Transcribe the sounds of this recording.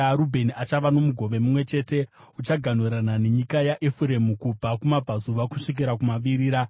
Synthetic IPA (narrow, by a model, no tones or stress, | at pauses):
ɾubʱe̞niat͡ʃaʋano̞muɡʱo̞ʋe̞mumwe̞t͡ʃe̞ːte̞ | ut͡ʃaɡʱan̤uɾanane̞ɲikajaʔefuɾe̞mukub͡vakumab͡vʱazuʋakuʂik̬iɾakumaʋiɾiːɾa